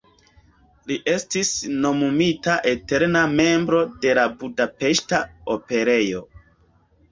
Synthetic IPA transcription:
liʔe̞stisno̞mumitaʔete̞ɾname̞mbɾo̞de̞labudape̞ʃtaope̞ɾe̞jo̞

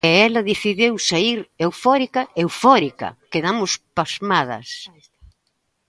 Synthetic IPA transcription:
ɛɛlɐðiθiðewsaiɾewfɔɾikɐewfɔɾikɐ̰keðamʊspazmaðɐ̰s

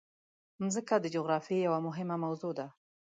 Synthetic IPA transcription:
mzəkad̪əd͡ʒoɣɾɑfjejawamʊɦɪmamawzod̪a

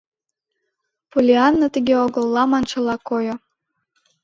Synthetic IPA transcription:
pulʲiɑnːot̪əɣeoɣə̆lˠːɑmɑnʃə̆lɑkojŏ

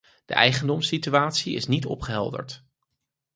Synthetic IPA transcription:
d̥ə̰ʔɛjχəndɔmsityʋaːtsiɪ̰snitɔpχəɦɛlˠdə̰ɹt

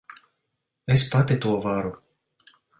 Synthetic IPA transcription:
espat̪it̪uɔvaɾu

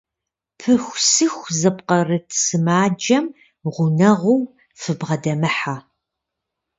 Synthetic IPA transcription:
pʰɨxʷsɨxʷzɐpqɐrɨtʰsɨmaːd͡ʒɐm | ʁʷʊnɐʁʊw | fɨbʁɐdɐmɨħaː

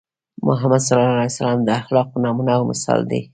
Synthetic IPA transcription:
mʊɦamad̪salɑalajsalɑmd̪əaxlɑq̚pənɑmunaːwmʊsɑ̰ld̪ḛ

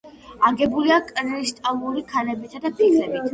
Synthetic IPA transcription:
aɡɛbuliakʼɾɛʃt̪ʼalˠuɾikʰalɛbit̪ʰad̪apʰikʰɾɛbit̪ʰ

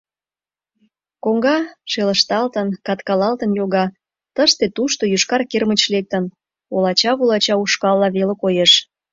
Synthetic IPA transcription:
koŋɡɑʃeləʃt̪ɑlt̪ənkɑt̪kɑlɑlt̪ənjoɣɑ | t̪əʃt̪et̪uʃt̪ojyʃkɑrkermət͡ɕlek̚t̪ən | olɑt͡ɕɑβulɑt͡ɕɑuʃkɑlˠːɑβelekojeʃ

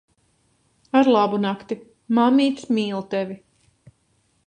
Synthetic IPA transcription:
aɾlˠabunakt̪i | mamiːt̪smiːlˠt̪ɛvi

